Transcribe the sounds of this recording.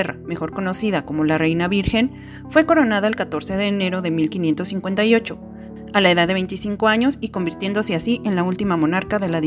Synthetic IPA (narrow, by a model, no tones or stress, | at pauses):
erame̞xo̞ɾko̞no̞siðako̞mo̞lare̞jnaβiɾxe̞n | fwe̞ko̞ɾo̞naðaelkat̪o̞ɾse̞ðe̞ːne̞ɾo̞ðe̞milkinje̞nt̪osːiŋkwe̞nt̪ajo̞t͡ʃo̞ | alae̞ðaððee̞jnt̪isiŋko̞aɲo̞siko̞mbiɾt̪je̞nd̪oseasiʔe̞nlault̪imamo̞naɾkaðe̞laði